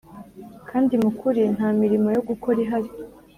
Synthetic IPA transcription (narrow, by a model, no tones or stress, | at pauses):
kʰaːndimukʰuɾin̥haːmiɾimo̞jo̞ɡukʰo̞ɾiɦaɾi